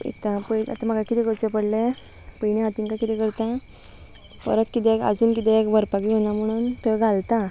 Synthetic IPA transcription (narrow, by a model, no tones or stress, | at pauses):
ḭt̪ãpəja̰t̪ãmakakit̪ɛkəɾt͡ɕəpəɽle | pəjnẽɦat̪inkakit̪ɛkəɾt̪ã | fə̰ɾət̪kit̪̬ɛka̰d͡zuːnkit̪̬eːkʋəɾpaɡiɦonjam̤uɽuːnt̪eɡʱalt̪a